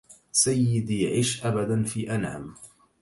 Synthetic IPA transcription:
sajːɪd̪iʕɪːʃʔabad̪anfiːʔanʕa̰m

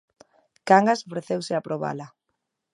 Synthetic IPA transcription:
kaŋɡasofɾeθewsɪapɾoβa̰la

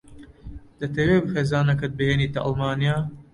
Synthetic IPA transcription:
d̪̥ɐt̪ɐweːbɨxeːzaːnɐk̬ɐt̪̚bɨheːniːt̪ɐʔɐ̰lmaːnijaː

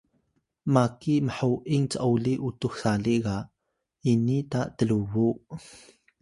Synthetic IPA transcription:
maːkiʔməħawʔɪŋt͡səʔɐwliʔut̪uxsaliʔɣaʔ | ʔinit̪aʔt̪əluvuʔ

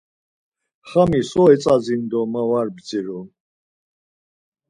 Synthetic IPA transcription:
χamisɔɛt͡sʼad͡zind̪ɔmawaɾbd͡ziɾu

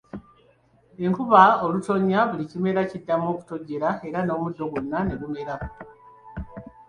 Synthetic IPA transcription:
e̞ŋkuβaoluto̞ɲːaβulicime̞ɾacidːamo̞ːku̥to̞ɟːe̞ɾae̞ɾano̞ːmudːo̞ɡunːane̞βume̞ɾa

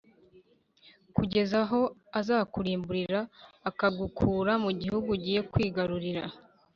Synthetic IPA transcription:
kuɟe̞zaɦo̞azaːkuɾiːmbuɾiɾaːkaɡukʰuːɾamuɟihuɡuɟiːje̞kwiːɡaɾuɾiɾa

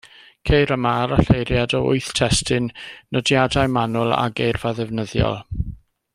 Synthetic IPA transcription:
kʰejɾəmaːɾaɬejɾjadɔʊ̰ɨθtʰɛstɪnːədjadajmanʊlˠa̰ɡejrvaðɛvnəðjɔ̰lˠ

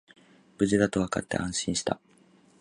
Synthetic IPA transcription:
b̥ɯ̟ʑid̪at̪o̞βaka̰t̪ːe̞ʔãɰ̃ɕĩɕi̥t̪a

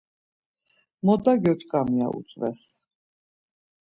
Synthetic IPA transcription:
mɔd̪aɡjɔt͡ʃʰʼkʼamia̰ʔṵt̪sʼvɛ̰s

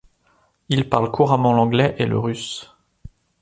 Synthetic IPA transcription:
ilpaʁlkuʁamɑ̃lɑ̃ɡlɛʔelə̰ʁys

